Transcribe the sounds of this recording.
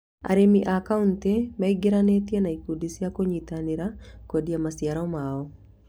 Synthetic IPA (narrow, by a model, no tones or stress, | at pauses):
a̰ɾemiʔakauntemaiɡeɾanetjenaikudisijakoɲitaneɾakodiamasijaɾɔmaɔ